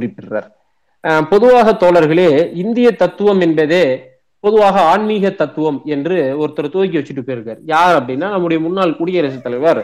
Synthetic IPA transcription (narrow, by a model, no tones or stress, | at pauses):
ʊɾɪpːɪɾra̰ːɾ | pɔðɯʋaːɣɐt̪oːlɐɾɣɐɭeːɪnd̪ɪjɐt̪ːɐt̪ːɯʋɐmɛnbɐðeː | pɔðɯʋaːɣɐaːɳmiːɣɐt̪ːɐt̪ːɯʋɐmɛndrɯɔɾɯt̪ːɐɾɐt̪oːjɪk̬ːɯʋɐt͡ʃːɪʈːɯpːeːɾɯkːɐːɾjaːɾɐpːɐɽɪnːaːnɐmːɯɽɐjɐmʊnːaːɭkʊːɽɪjɐɾɐsɐt̪ːɐlɐɪʋɐɾ